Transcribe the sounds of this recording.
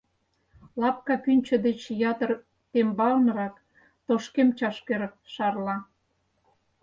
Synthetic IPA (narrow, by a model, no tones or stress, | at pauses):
lɑp̚kɑpynʲt͡ɕə̆d̪et͡ɕjɑt̪ər | t̪embɑlnɾɑk | t̪oʃkemt͡ɕɑʃkeɾʃɑrlɑ